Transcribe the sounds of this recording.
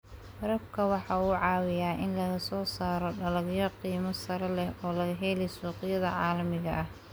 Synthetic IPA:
fɐɾɐfkʰɐwɑħɑːuːʕɑːwɪjaːʔɪnlɐɣɐsɔːsaːɾɔɖɐlɐɣjɔqiːmɐsɐɾɐlɛhɔːlɐɣɐɦɛːlɛsuːqɪjɐðɐ̰ʕɑːlɐmɪɣɐʔɐh

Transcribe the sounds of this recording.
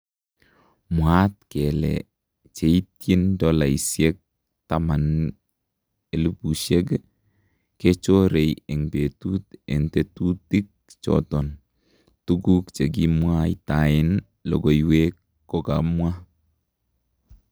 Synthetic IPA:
mwatkɛlɛ̰ | t͡ʃeitjindɔlaisjek̚ | taman | elupuʃeɡ | ket͡ʃoɾejɛŋbetutɛntetutik̚t͡ʃɔ̰tɔn | tuɡukt͡ʃeɡimwaitaɪn | lɔ̰ɡoiwekː | ɔkamwa

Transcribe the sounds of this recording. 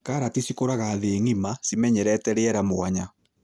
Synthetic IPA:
kaɾatisikoɾaɣaːðeŋimasimɛɲɛɾɛtɛɾeɛɾamoaɲa

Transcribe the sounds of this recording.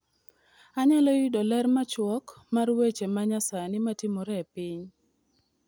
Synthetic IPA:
aɲalɔjidɔlɛrmat͡ʃwɔkmarwet͡ʃemaɲasanɪmatɪmɔɾɛpɪɲ

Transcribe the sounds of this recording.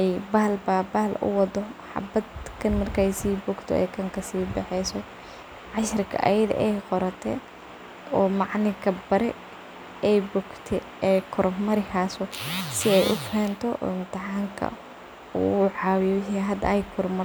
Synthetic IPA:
ʔɛjbaːlbabaːlʊ̰wɑd̪ɔħɑ̰bɐd̪kʰɐnmɐrkʰɐɛjsiːbʊɡt̪ʰɔ̰ɛ̰jkʰɐŋkʰɐsiːbɑħɛjsɔ | ʕɑʃrɪkʰɐ̰ʔɐ̰jɐðɐ̰ʔɛjqɔɾɐt̪ʰɛ̰ː | ɔːmɑʕnɪkʰɐbɐɾɛ | ɛjbɔɡt̪ʰɛ | ɛkʰʊrmɐɾɪhaːsɔsɪɛjʔʊfɛːnt̪ʰɔʔɔ̰ːɪmt̪ʰɪħaːŋkʰɐ̰ | ṵʊʕɑːwɪjɔɦɐd̪ɐ̰ɛjkʰʊrmɐr

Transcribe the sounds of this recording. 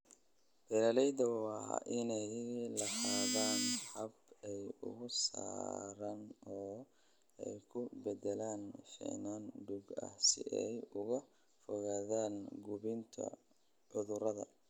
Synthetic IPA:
b̥ɛlɐlɛjd̪ɐwɑ̰ːʔɪnɛjlɐħaːðaːnħɐbɛjʊ̰ɣʊsa̰ːɾɐnɔː | ɛ̰jkʰʊbɛd̪ɛlaːnfɛ̰ʕnaːnɖʊɡɐ̰hsɪ̰ʔɛjʊɣɐ | fɔɣaːðaːnɡʊβɪnt̪ʰɐ̰ | ʕʊðʊɾɐðɐ̰

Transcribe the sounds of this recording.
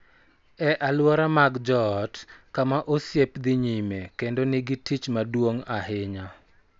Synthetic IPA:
ɛʔalwɔɾamaɡd͡ʒɔtkamaʔosjepd̪ɪɲimekendonɪɡɪtit͡ʃmadwoŋaɦɪɲa

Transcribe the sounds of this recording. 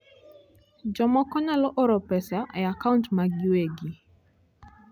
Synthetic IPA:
d͡ʒɔmɔkɔnalɔʔɔɾɔpɛsaʔɛakauntmaɡɪweɡi

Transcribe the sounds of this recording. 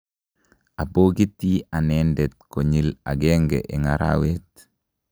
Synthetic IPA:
aboːɡitːianendet̪̚koɲila̰ɡeːŋɡḛʔiŋaɾa̰wet

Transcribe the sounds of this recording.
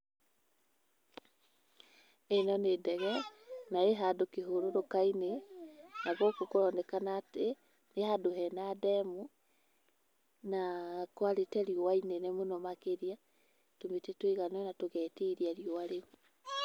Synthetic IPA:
enɔnedɛɣɛnaeɦadokeɦoɾoɾokainenaɣokokoɾɔnɛkanate | nehadoɦɛnadɛmu | nakwaɾetɛɾiowainenemonomakeɾia | tometetweɣanɔnatoɣɛːteiɾiaɾiowaɾemu

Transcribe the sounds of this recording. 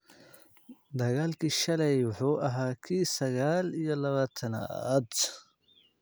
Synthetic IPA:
d̪ɐɣaːlkʰiːʃɐlɛjwʊħuːʔɐɦaːkʰiːsɐɣaːlijɔlɐβaːt̪ʰɐnɐ̰d̪

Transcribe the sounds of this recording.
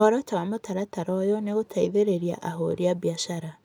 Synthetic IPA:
ɔɾɔtawamotaɾataɾɔjɔneɣotʰaiðeɾeɾia̰ʔaɦo̰ɾiabiaʃaɾa

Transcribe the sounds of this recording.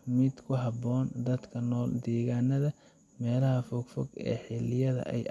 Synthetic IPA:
mɪd̪kʰʊɦɑbɔːnd̪ɐd̪kʰɐnɔːld̪ɛːɣaːnɐðɐ | mɛːlɐɦɐfɔɡfɔɡɛ̰ːħɪlɪjɐðɐ̰ʔɛ̰j

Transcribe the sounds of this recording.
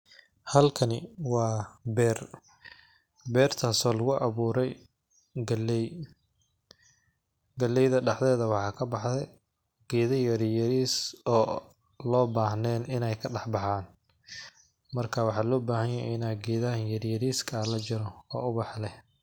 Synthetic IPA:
hɐlkʰɐnɪwɑːbɛːr | bɛːrt̪ʰaːsɔːlɐɣʊʔɑβuːɾɛj | ɡɐlj | ɡɐlːɛjðɐɖɑħðɛːðɐwɑħɑːkʰɐbɑħdɛ | ɡ̥ɛːðɐjɐɾjɐɾiːsɔː | lɔːbaːhnɛːnɪnɛjkʰɐɖɑħbɑħaːn | mɐrkʰawɑħɑːlɔːbaːhɐjɐjɛ̰ɪnaːɡɛːðɐɦɐnjɐɾjɐɾiːskʰalɐt͡ʃɪɾɔɔ̰ːʊβɑħlɛ

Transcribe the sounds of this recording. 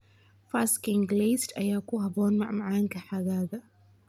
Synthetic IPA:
faskɪŋɡliːstʔɐjaːkʊhabɔːnma̰ʕmaʕaːŋkɐħaɡaːða

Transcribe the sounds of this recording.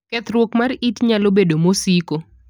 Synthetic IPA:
kɛt̪ɾwokmaritɲalobedomosiko

